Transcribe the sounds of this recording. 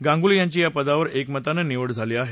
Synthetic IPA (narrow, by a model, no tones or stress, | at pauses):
ɡãŋɡuːljaɲt͡ɕiːjapəd̪aʋəɾekmət̪aneniʋəɽd͡zʱaliːaɦe